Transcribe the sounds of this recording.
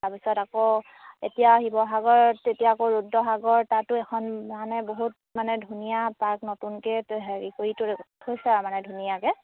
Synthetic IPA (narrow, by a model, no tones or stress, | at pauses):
taɹpisɔtako | ḛtijaaɦibɔɦaɡɔɹetijaːkoɹudːɔɦaɡɔɹtatʊɛkʰɔnmanɛboɦut̚ | manɛdʱunijapaɹknotunkɛtɦeɹikoɹitʊɛojsɛamanɛdʱunijakɛ